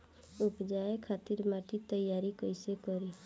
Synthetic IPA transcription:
ʊpd͡ʒaːekʰaːt̪ɪɾmaːʈit̪əjːaːɾikəɪsekəɾi

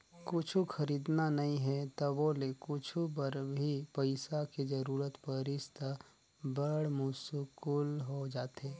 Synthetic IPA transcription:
kʊt͡ʃʰuxɐɾiːd̪nanɐɦĩɦɛt̪obolekʊt͡ʃʰubəɾbʱipəɪsaked͡ʒəɾuːɾət̪pəɾɪst̪ə | bəɽmusukulɦod͡ʒaːt̪eː

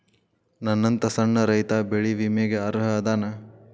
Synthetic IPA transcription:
nɐnːɐnt̪ɐsɐɳːɐɾɐjt̪aːbeɭiʋimeːɡeɐɾɦɐd̪aːnɐ

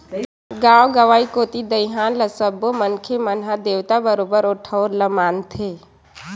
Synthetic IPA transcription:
ɡãːwɡəʋaːikoːt̪id̪əɪɦaːnləsəbomənkʰemənɦad̪eːʋt̪abəɾoːbəɾoːʈʰəoɾləmaːnt̪ʰeː

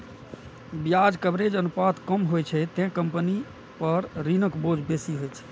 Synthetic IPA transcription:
bjad͡ʒkəbɾed͡ʒənupat̪kəmɦojt͡ʃʰɛt̪ɛ̃kəmpəni | pəɾɾinəkbod͡ʒbesiɦojt͡ʃʰɛ̥

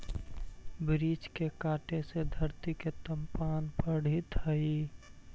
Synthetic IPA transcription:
bɾid͡ʒkekaːʈesed̪ʱəɾt̪iket̪əmpanpəɽ̤it̪ɦəi

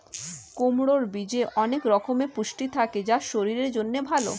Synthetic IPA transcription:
komɽoɾbid͡ʑeʔɔnekɾɔkʰomepuʃʈit̪ʰaked͡ʑaʃoɾiɾeɾd͡ʑonːebʱalo̰

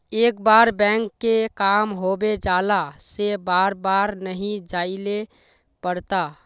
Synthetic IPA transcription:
eːkbaɾbɛ̃ŋkːekamɦobed͡ʒalasebaːɾbaɾnəɦĩd͡ʒaile | pəɾt̪a

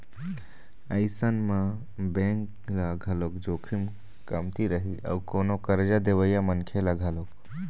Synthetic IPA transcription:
əɪsənmã | bẽŋk | laɡʱəlokd͡ʒokʰim | kəmt̪iɾəɦiə̰ukonokəɾd͡ʒad̪eβəjamənkʰelaɡʱəlok

